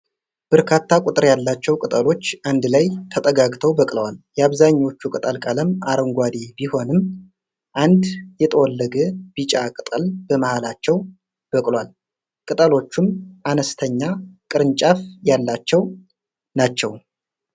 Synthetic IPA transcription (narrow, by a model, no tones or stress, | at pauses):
b̥əɾkʰat̪ʰːakʷʼʊt̪ʼɨɾjalːat͡ʃːɛwkʼɨt̪ʼəlo̞t͡ʃːʔand̪lajt̪ʰət̪ʼəɡaɡt̪ʰəwbəkʼləwaljɛaβzaɲːo̞t͡ʃːukʼɨt̪ʼəlkʼaləmʔaɾəŋɡʷad̪ibiho̞nɨm | ʔand̪jɛt̪ʰəwɔlːəɡəbit͡ʃʼakʼɨt̪ʼəlb̥əməhalat͡ʃːɛw | b̥əkʼlwal | kʼɨt̪ʼəlo̞t͡ʃːumʔanəst̪ʰəɲːakʼɨɾɨnt͡ʃʼafjalːat͡ʃːɛw | nat͡ʃːɛw